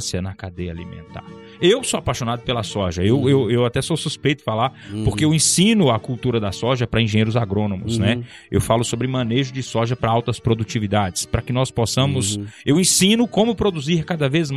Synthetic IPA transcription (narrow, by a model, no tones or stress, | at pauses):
sjɐnɐkad̪ejɐalimḛ̃nt̪a̰ɾ | ewsoapajʃõnad̪ʊpelɐsɔʒɐewewewat̪ɛsowsuspejt̪ʊ̥falaɾpoɾkeewẽsĩnʊɐkuwt̪uɾɐd̪ɐsɔʒɐpɾɐĩʒẽɲejɾʊzaɡɾõnõmʊznɛ | ḛwfalʊsobɾɪmɐ̃neʒʊd͡ʒɪsɔʒɐpɾɐawt̪ɐspɾod̪ut͡ʃivid̪ad͡ʒɪspɾɐkɪnɔsposɐ̃mʊsewẽsĩnʊkõmʊpɾod̪uziɾkad̪ɐvezm